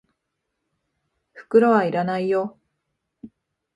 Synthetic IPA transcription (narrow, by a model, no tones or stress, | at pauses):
ɸɯ̟̥kɯ̟ɾo̞βaiɾanaijo